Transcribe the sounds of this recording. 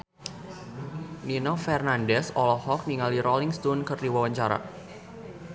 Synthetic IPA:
ninɔfɛrnandɛsɔlɔhɔk̚niŋaliɾɔliŋst̪ɔnkərdiwawaɲt͡ʃaɾa̰

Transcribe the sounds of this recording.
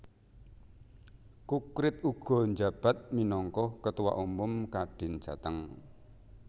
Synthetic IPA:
kukɾɪt̪̚uɡ̥ɔ̤nd͡ʒab̥a̤t̪̚minɔŋkɔhkət̪uwa̰ʔumʊmkaɖ̥ɪ̤n̥ʒ̥a̤t̪əŋ

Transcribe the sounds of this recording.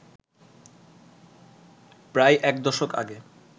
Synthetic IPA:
pɾajʔɛkd̪ɔʃoka̰ɡe

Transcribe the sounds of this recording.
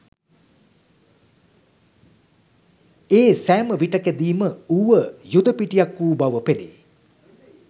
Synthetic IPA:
eːsæːməʋiʈəkæd̪iːməuʋəjud̪əpiʈijakːuːbaʋəpelḭ

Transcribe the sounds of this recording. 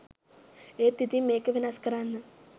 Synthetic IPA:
eːt̪ːit̪imeːkɨʋinaskɐɾaːnːɐ

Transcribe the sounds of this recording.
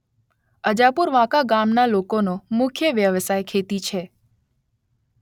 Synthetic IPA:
əd͡ʒapuɾʋãkaɡamnalokonomʊkʰjəʋjəʋsajkʰet̪it͡ʃʰe

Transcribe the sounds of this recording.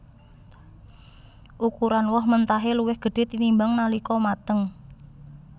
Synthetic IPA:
ʔukuɾanwɔhmənt̪aɦeluwɪhɡ̥ə̤ɖ̥e̤t̪inimbaŋnalikɔmat̪əŋ

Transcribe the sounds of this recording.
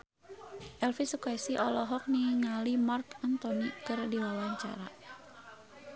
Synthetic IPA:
ʔɛlfisukajsiʔɔlɔɦɔk̚niŋalimarkant̪ɔnikɨrdiwawaɲt͡ʃa̰ɾa̰

